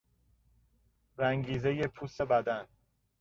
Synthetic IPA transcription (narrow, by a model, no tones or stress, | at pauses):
ɾæŋɟiːzeje̞pʰuːse̞bæd̪æn